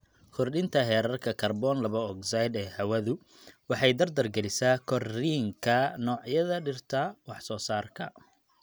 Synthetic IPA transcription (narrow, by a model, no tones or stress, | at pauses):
kʰɔrɗɪnt̪ʰɐɦɛːɾɐrkʰɐkʰɐrbɔːnlɐβɐɔksɐjd̪ɛːhɐwɐðʊ | wɑħɑjd̪ɐrd̪ɐrɡɛlɪsaːkʰɔriːŋkʰɐnɔːʕjɐðɐɖɪrt̪ʰɐwɑħsɔːsaːrkʰɐ